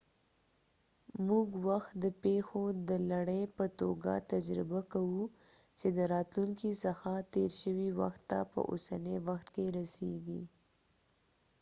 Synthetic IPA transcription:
muɡwaxt̪̚d̪əpexod̪əlaɽəjpət̪oɡa̰t̪ad͡ʒɾɪbakawut͡ʃed̪əɾɑt̪luŋkisəxat̪eɾʃəwiwa̰xt̪ːa̰pə̰ʔo̰sanewaxt̪keɾaseɡḭ

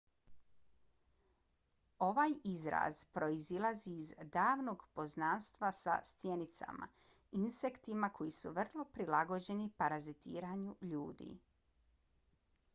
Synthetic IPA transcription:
o̞ʋaːjizɾa̰zpɾo̞izilˠaziːzd̪aːʋno̞ɡpo̞znaːnst̪ʋasa̰st̪je̞nit̪sa̰ma̰ | insekt̪imako̞jisṵʋr̩lˠo̞pɾilaɡo̞d͡ʑe̞nipaɾazit̪ḭːɾaɲuʎuːd̪ḭ

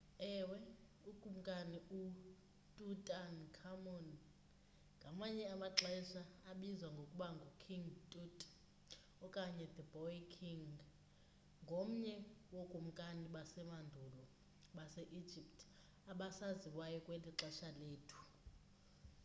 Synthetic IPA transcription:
ɛːwɛ | uɡ̥ʱum̩kʼaniu | tʼutʼankʰamɔn | ŋɡʱamaɲɛamaǁɛʃaːɓizwaŋɡʱokʼuɓaŋɡʱukʰiŋɡtʼutʼ | ɔkʼaɲɛd̪əbʱɔikʰiŋ | ŋɡʱom̩ɲɛwoɡ̥ʱʼum̩kʼaniɓasɛmandʱulɔ | ɓasɛʔi̥d͡ʒʱip̚tʰʼ | aɓasaziwajɔkʼwɛliǁɛʃaleːtʰu̥

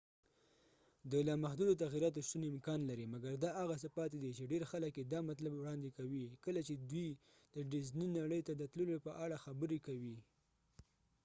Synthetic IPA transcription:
d̪əlɑmahd̪ud̪ot̪aɣiɾɑt̪̬oʃt̪unɪmkɑnlaɾimaɡaɾd̪ɑʔaɣas̬əpɑt̪ed̪it͡ʃeɖeɾxaləkjed̪ɑmat̪labwɽɑnd̪ekawikəlat͡ʃed̪wi | d̪̥əɖɪzninaɽəjt̪ad̪ət̪ləlopəʔaɽaxabəɾekawi

